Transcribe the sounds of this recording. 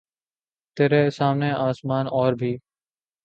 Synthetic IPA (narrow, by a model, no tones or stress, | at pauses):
t̪eːɾeːsaːmnẽːaːsmaːnɔːɾbʱiː